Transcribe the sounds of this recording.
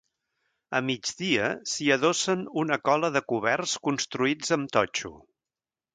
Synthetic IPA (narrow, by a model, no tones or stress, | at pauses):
ə̰mid͡ʒðiəsiəðosənunəkɔləðəkuβɛrskunst̪ɾuid͡zəmt̪ɔt͡ʃṵ